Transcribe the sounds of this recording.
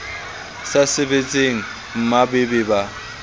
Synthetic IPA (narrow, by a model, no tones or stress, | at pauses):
sasɪbet͡sʼeŋ̩ | m̩mabɪbɪba